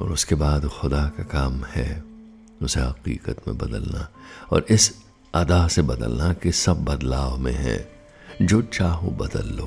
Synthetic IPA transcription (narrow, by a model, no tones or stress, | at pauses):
ɔ̰ːɾʊskebaːd̪xʊd̪akakaːmhɛ | ʊseɦɐqḭːqət̪mḛ̃bɐd̪əlna̰ɔ̰ːɾʔɪs | ɐd̪aːsebɐd̪ə̰lnakesɐbːɐd̪laːʋmḛ̃ɦɛ̰̃ː | d͡ʒoːt͡ʃaːɦõbɐd̪ə̰lːoː